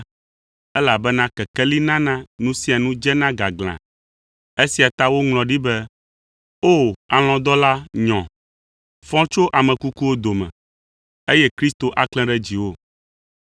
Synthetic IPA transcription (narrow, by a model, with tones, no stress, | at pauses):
ɛ˦la˨bɛ˦nã˦kɛ˨kɛ˦li˦nã˦nã˦nũ˦si˦a˨nũ˦d͡ʒɛ˦nã˦ɡa˨ɡl̃ã̰˨ | e˦si˨a˨t̪a˦wo˦ŋlɔ̃˨ɖi˦bɛ˦ | o˦˨a˨l̃ɔ̃˨d̪ɔ˦la˦ɲɔ̃˨ | fɔ̃˦t͡ʃo˦ʔa˨mɛ̃˨ku˦ku˦wo˦d̪o˨mɛ̰̃˨ | e˦jɛ˦kɾi˦st̪o˨ʔa˦klɛ̃˦ɖɛ˦d͡ʑi˨wo˦